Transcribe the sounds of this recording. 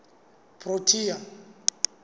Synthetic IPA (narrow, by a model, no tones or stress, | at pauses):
pʰʼrotʰʼija